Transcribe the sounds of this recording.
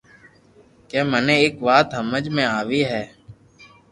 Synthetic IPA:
keːmənẽːeːkʋaːt̪ɦəməd͡ʒmẽːaːʋiːɦɛː

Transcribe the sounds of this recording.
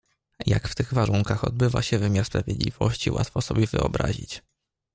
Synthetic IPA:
jakft̪ɘɣvaɾuŋkaxɔd̪bɘva̰ɕɛvɘmʲjaɾspɾavʲjɛd̪lʲiv̥ɔɕt͡ɕiwʔat̪fɔsɔbʲjɛvɘɔbɾaʑit͡ɕ

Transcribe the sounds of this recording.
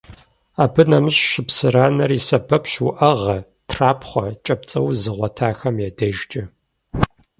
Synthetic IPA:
aːbɨnɐmɨɕɕɪpsɨɾaːnɐriːsɐbʰɐpɕwʔɐʁɐ | tʰraːpʰχʷɔt͡ʃʼɐp̚t͡sʼɐwzɨʁʷɐtʰaːxɐmjɛdɐʒt͡ʃʼɪ

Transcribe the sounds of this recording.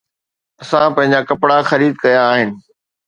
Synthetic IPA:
ɐsãpɐ̃ɦɪ̃ɲ̆d͡ʑakɐpɽaxɐɾiːd̪̚kɐjaːɦɪnɪ̆

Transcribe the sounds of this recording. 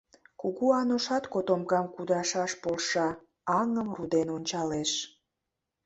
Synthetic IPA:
kuɣuɑnoʃɑt̪kot̪omɣɑmkud̪ɑʃɑʃpolʃɑ | ɑŋəmrud̪enonʲt͡ɕɑleʃ

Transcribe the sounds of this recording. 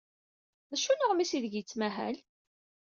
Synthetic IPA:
ðæʃunəʁmisiðəɡjət͡sːmæɦæ̰l

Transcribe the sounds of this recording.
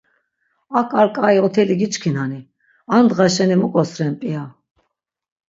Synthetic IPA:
akʼaɾkʼaiɔt̪ʰɛliɡit͡ʃkʰinani | and̪ʁaʃɛnimukʼɔsɾɛnpʼia

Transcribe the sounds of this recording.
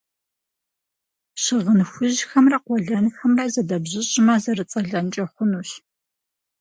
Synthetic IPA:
ɕɪʁənxʷʊʑxɐmrɐqʷɔɮɐnxɐmrɐzɐdɐbʑɪɕʼɪmɐzɐrɨt͡sʼɐɮɐnt͡ʃʼɐχʷʊnuːɕ

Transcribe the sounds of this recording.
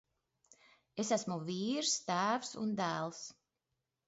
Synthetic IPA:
esæsmuviːɾst̪æːwsṵnd̪æːlˠs

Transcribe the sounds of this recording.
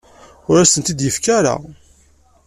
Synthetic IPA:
ʊɾasənt̪id̪jəfkæɾa̰

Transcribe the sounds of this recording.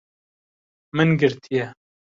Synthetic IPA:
mɨnɡɨɾt̪ʰijɛ

